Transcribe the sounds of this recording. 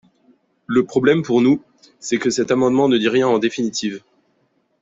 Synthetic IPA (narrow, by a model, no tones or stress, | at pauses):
ləpχɔblɛmpuʁnu | sɛkəsɛt̪amɑ̃d̪mɑ̃nəd̪iʁjɛ̃ɑ̃d̪efinit̪ʰiv